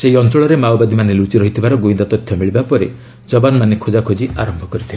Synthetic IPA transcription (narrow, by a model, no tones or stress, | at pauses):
seiɔnt͡ʃɔɭɔɾemawbad̪imanelut͡ʃiɾɔɦit̪ʰibaɾɔɡoĩnd̪at̪ɔt̪ʰjɔmiɭibapɔɾe | d͡ʒɔbanmanekʰod͡ʒakʰod͡ʒiaɾɔmbʱɔkɔɾit̪ʰiba